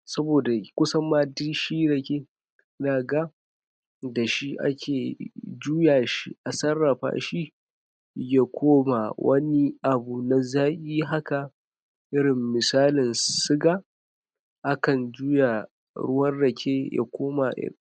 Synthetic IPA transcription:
sɐ˦boː˨da˨kʷʊ˦sɐ˦mːaː˦di˦ʃi˦ɽɐ˨kʲe˦ | naː˨ɡa˦ | da˨ʃi˦ʔa̰˦kʲʰeː˨d͡ʒuː˦jaː˨ʃḭ˦ʔa˨sɐ˦rːɐ˨ɸa̰ː˦ʃi˦ | ja˦˨kʷʰoː˦ma˨wʔɐ˦ni˦ʔa˨bu˨na˨zaː˦ʔʲʼiː˦ɦa˦ka˨ | ʔɪ˦ɾɪ˨mːɪ˨saː˦lɪ˨nsɪ˦ɡa˦ | ʔa˦kɐ˨nd͡ʒuː˦ja˨ | ɽʊ˦wɐ˦rɽɐ˨kʲʰe˦jʔa̰˨kʷʰoː˦ma˨ʔɪ̰˦

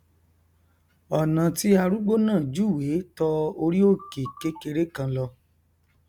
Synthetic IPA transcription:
ɔ˨nã˨ti˦a˧ɾu˦ɡ͡bo˦nãː˦˨d͡ʒu˦˨we˨˦tɔ˧o˧ɾi˦o˦˨ke˨ke˦ke˧ɾe˦kã˧lɔ˧

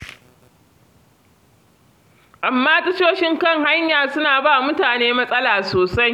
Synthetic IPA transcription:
ʔa˨mːaː˦tɐ˦t͡ʃoː˦ʃɪ˦ŋkɐ˦˨ŋha˦ɲjaː˨sʊ˦naː˨baː˦˨mʊ˦taː˨neː˦mɐ˦sʼɐ˦laː˨soː˨sa˦j

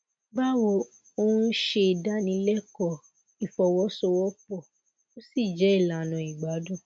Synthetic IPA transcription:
ɡ͡ba˦wɔ˧˨ | o˧ũ˦ʃe˧i˨da˦nĩ˨˧˦lɛ˦kɔ˦˨ | i˨fɔ˨wɔ˦sɔ˧wɔ˦pɔ˦˨ | o˦si˦˨d͡ʒɛ˨˦i˦˨la˨nɔ̃˨i˨ɡ͡ba˨˦dũ˦˨

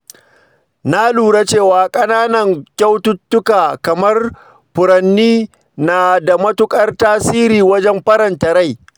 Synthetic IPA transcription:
na˦luː˨ɽa˦t͡ʃeː˦˨waː˨kʼɐ˦naː˦nɐ˨ŋkʲa˦wtʊ˦tːʊ˦kaː˨kɐ˨mɐ˦r | ɸʊ˨ɾɐ˨nːiː˦ | naː˨da˨mɐ˦tʊ˦kʼɐ˦rtaː˦siː˦ɾiː˨wɐ˦d͡ʒɛ˦mɸɐ˦ɾɐ˨ntɐ˨ɾa˦˨j

